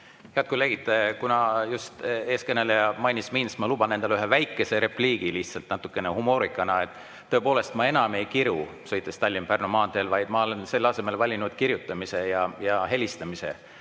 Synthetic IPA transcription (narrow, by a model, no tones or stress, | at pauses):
heɑt̪̚koleɡid̪kunɑjust̪e̞ːskene̞lejɑmɑjnisminsmɑlub̥ɑnːen̥elyɦevæjkːˑe̞se̞ɾe̞pliːɡ̥iliht̪sɑlt̪nɑt̪ːu̥kːˑe̞nehumo̞ːɾikːˑɑnɑet̪ː | ɤepo̞ːle̞st̪mɑe̞nɑme̞jkiɾusø̞jt̪ːˑest̪ɑlʲːimpærnomɑːnd̪elvɑjd̪̥mɑo̞le̞nse̞lːɑse̞me̞lvɑlʲinud̪̥kiɾjut̪ˑːɑmise̞jɑjɑɦe̞lʲist̪ɑmise̞̰